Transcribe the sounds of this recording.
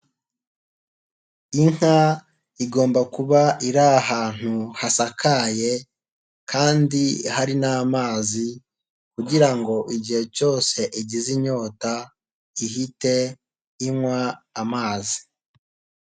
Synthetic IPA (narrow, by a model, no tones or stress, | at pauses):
iŋ̥ha | iɡo̞ːmbakuβaiɾaɦaːn̥huhasakʰaje̞ | kʰaːndiɦaɾinaːmaːzi | kuɟiɾaŋɡo̞ʔiɟihe̞co̞ːse̞ʔiɟiziɲo̞ːta | iɦite̞ | imwaːmaːzi̥